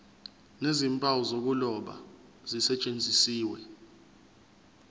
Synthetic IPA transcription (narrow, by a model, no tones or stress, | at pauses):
nezimpʼawɔzok̬ulɔɓa̰ | z̥isɛt͡ʃʼend͡zʱisiːwɛ